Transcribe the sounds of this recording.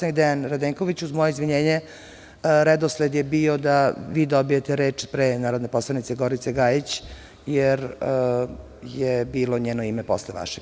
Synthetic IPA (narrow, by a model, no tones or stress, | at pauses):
nid̪ɛanɾad̪eŋkoʋit͡ɕuzmojeizʋiɲeːɲe | ɾɛd̪osled̪jebiːo̞d̪aʋiːd̪obijet̪eɾeːt͡ʂpɾenaːɾod̪neposlˠanit̪seɡoɾit̪seɡajit͡ɕ | jeɾ | jebiːloɲeːnoimepo̞̰sleʋa̰ʃe